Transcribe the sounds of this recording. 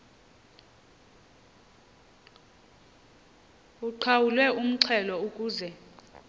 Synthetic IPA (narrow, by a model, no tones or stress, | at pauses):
uǃʰawulwɛum̩ǀʰɛlɔukʼuːzɛ